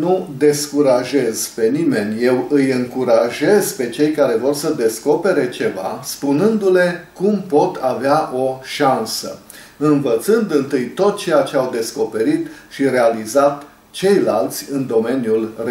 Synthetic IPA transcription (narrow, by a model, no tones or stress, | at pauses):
nud̪e̞skuɾaʒe̞z̥pe̞nime̞nʲje̞wɨjɨŋkuɾaʒe̞zpe̞t͡ʃe̞jkaɾe̞vo̞rsəd̪e̞sko̞pe̞ɾe̞t͡ʃe̞va̰spunɨnd̪ule̞kumpo̞t̪ʰaveaʔo̞ʃansə̰ | ɨnvət̪sɨnd̪ɨnt̪ɨjt̪o̞t̪̚t͡ʃe̞jat͡ʃe̞awd̪e̞sko̞pe̞ɾit̪ʃiɾe̞alizat̪ | t͡ʃe̞jlalt̪sʲɨnd̪o̞me̞njulr